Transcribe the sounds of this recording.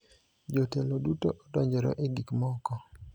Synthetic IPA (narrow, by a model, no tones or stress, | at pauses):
d͡ʒotelodutoʔɔdɔɲd͡ʒɔɾɔ̰ʔiɡikmɔkɔ